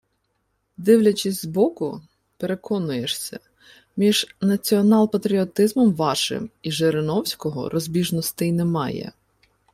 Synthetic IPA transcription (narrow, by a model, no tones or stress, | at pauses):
d̪ɪwlʲɐt͡ʃɪsʲzbɔkʊ | pe̞ɾe̞kɔnʊjeʃsʲɐ̰ | mʲiʒ̥nɐt͡sʲiɔnɑlˠpɐt̪ɾʲiɔt̪ɪzmɔmʋɑʃɪ̰miʒeɾɪnɔwsʲkɔɦɔ̰ɾʔɔzʲbʲiʒnɔst̪ɪjnemɑjɛ̰